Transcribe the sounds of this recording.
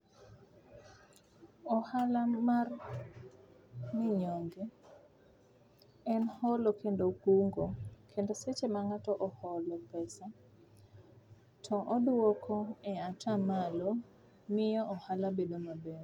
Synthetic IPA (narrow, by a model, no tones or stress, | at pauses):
ɔhalamar | mɪɲoŋɡe | ɛnhɔlɔkendokuŋɡokʰendoset͡ʃemaŋatɔʔɔhɔlɔpɛsa | tʰɔʔɔdwɔkʰɔɛatʰamalɔ | mɪjɔʔɔhalabedomabɛr